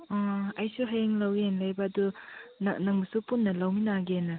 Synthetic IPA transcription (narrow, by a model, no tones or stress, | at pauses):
ɔɐjsuɦɐjeŋlɐwenlɐjbɐːdunɐnɐŋmɐsupunːɐlɐwminaɡenɐ